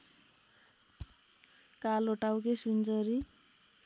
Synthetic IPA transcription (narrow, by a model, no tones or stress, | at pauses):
kaloʈawkesund͡zʌɾi